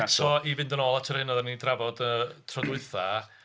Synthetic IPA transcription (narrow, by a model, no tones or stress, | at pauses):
sɔivɪndənɔlˠatʰəɾhɪnəðanidravɔdətʰrɔdʊɨθa